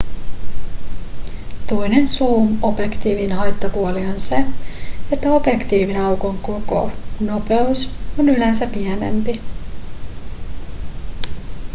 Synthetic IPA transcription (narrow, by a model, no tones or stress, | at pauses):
t̪o̞jne̞nsuːmo̞bjekt̪iːʋinɦɑjt̪ːopuolio̞nse̞e̞t̪ːæo̞bje̞kt̪iːʋinɑwkoŋkoko̰no̞pe̞uso̞nylænsæpiæne̞̰mpi